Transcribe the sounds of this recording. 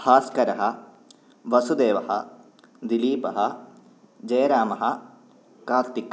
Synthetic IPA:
haːskɐɾɐɦɐ | ʋɐsud̪eːʋɐɦɐ̰ | d̪iliːpɐɦɐ | d͡ʒɐjɾaːmɐɦɐ | kaːɾt̪ik

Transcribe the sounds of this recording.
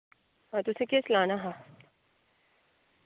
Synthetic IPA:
ɦãːt̪ʊsẽkeːslaːnaɦãː

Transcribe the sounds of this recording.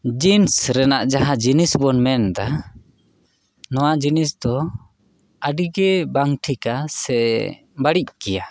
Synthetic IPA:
d͡ʒinsɾɛnaʔd͡ʒaɦad͡ʒinisbɔnmɛnd̪a | nɔwad͡ʒinisd̪ɔ | əɖiɡɛbaŋʈʰikasɛ | baɽic̚kɛja

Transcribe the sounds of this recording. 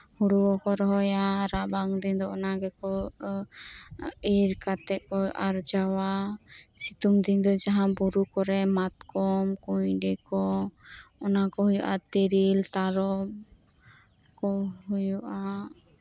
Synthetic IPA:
huɽuwɔkɔɾɔɦɔjaɾabaŋd̪ind̪ɔɔnaɡɛkɔ | iɾkat̪ɛkɔʔaɾd͡ʒawasit̪uŋd̪ind̪ɔd͡ʒaɦãbuɾukɔɾɛmat̪kɔmkujɖɛkɔ | ɔnakɔɦujɔʔa̰t̪eɾilt̪aɾɔm | kɔɦujɔʔa

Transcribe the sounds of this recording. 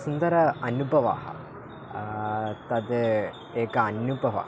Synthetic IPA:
sund̪ɐɾɐɐnubʱɐʋa̰ːɦɐ̰ | t̪ɐd̪ | eːkɐɐnjubʱɐʋa̰ː

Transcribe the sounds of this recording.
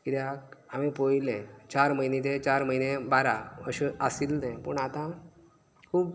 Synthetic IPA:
kid̪jakamipojlɛ̃t͡ɕaɾməinẽt̪et͡ɕaɾməɦinẽbaɾaəɕeasild̪ɛ̃pəɳat̪ã | kʰuːb

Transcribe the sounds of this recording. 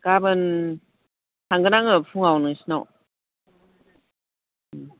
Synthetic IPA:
kabɯn | t̪ʰaŋɡənaŋɯfʰuŋawnɯŋsinɔ

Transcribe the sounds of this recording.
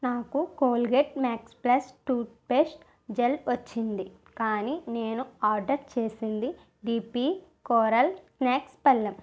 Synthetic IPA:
naːkukoːlɡeʈmaːksplɐsʈuːpeːsʈ | d͡ʒelʋɐt͡ʃːind̪i | kaːniːne̞ːnuaːɾɖɐɾt͡ʃe̞ːsind̪i | ɖiːpikoːɾɐlsnaːkspɐlːɐm

